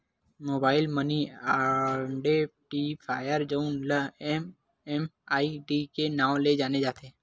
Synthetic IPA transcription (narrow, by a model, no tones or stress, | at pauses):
mobailməniaɳɖeʈipʰajəɾd͡ʒəunləem | emaiɖikenãʋled͡ʒaned͡ʒat̪ʰe